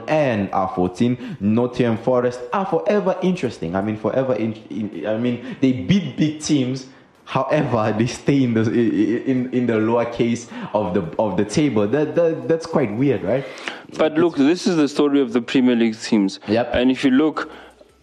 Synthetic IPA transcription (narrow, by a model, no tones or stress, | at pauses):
ʔɛ̃na̰fɔtʰĩnnɔtʰiə̃nfɔɹɛstafɔʔɛvəʔɪ̃ntɹɛstɪ̃ŋaɪjmĩnfɔʔɛvəʔɪ̃naɪmĩnd̪ebid̚biɡ̚tʰĩms | hawʔɛvədesteɪ̃ndə̃ | nɪ̃ndəloəkʰesɔvðəɔvdətʰebəldæddætskʰwaɪt̚wiədɹaɪt̚b̥atlʊkðɪsɪzðəstɔɹiɔvðəpʰɹimiəliɡtʰĩmzjɛpɛ̃nifjuluk